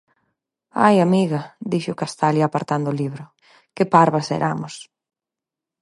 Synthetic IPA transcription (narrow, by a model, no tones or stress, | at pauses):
a̰jamiɣɐd̪iʃʊkast̪aljapaɾt̪and̪ʊliβɾʊ | kɪpaɾβɐsḛɾʔa̰mʊs